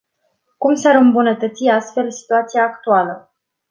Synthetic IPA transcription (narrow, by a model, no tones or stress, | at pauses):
kumsaɾɨmbunət̪ət̪siast̪fe̞lsi̥t̪uat̪sijaːkt̪ualə